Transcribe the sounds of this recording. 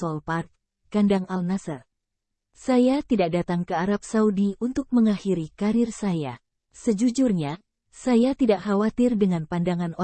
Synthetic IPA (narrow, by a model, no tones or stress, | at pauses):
ɔlpat̪̚ | kandaŋalnasar | sajat̪idak̚dat̪aŋkəaɾap̚saudiunt̪ʊk̚məŋaxiɾikaɾɪrsaja | səd͡ʒud͡ʒurɲa | sajat̪idaʔxawat̪ɪrdəŋanpandaŋano